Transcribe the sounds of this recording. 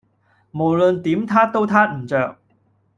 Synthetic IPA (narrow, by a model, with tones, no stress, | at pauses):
mo˨˩wlɵ˨˧nt̪iː˨˥mt̪ʰaː˥t̪o˥wt̪ʰaː˥t̚m̩˨˩t͡ʃœː˨˧k̚